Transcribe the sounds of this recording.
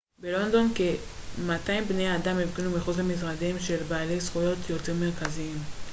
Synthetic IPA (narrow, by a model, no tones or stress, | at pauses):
belo̞nd̪o̞nke | mataimbnejad̪amevɡinumiχuzlamis̬ʁadimʃe̞lbaːlejsχujo̞tʰjo̞te̞ʁmeʁkaziim